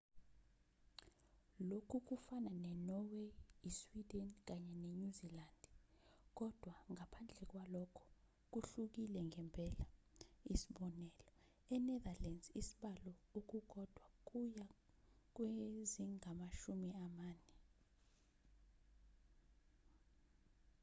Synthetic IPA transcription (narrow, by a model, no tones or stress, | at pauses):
lokʰuk̬ufananɛnɔwejiswid̥ɛnk̬aɲɛnɛɲuzilandk̬ɔd̥ʱwaŋapʰand͡ɮʱɛk̬walɔkʰɔ̥ | k̬uɬuk̬ilɛŋɛmpʰʼɛlaisiɓɔnɛːlɔ | ɛnɛðalɛnzisiɓalɔuk̬uɡ̥ʱɔd̥ʱwak̬ʼuja | k̬weziŋamaʃumiamaːnɛ